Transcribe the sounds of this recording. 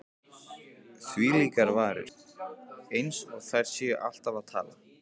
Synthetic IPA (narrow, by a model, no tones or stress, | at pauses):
θviːliːkaɾvaːɾɪ̰ɾ̥ | ejnsɔɣθajɾ̥sɛʏʔal̥t̪avaðt̪ʰa̰ːla